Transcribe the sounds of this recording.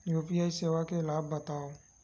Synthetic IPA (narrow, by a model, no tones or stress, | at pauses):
juːpijaːiseːʋakeɪlaːbːɐt̪aːo